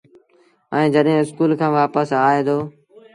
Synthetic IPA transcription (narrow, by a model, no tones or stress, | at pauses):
ɛ̃ːd͡ʒəɗɦẽːɪskuːlkʰãːʋaːpəsaːeːd̪oː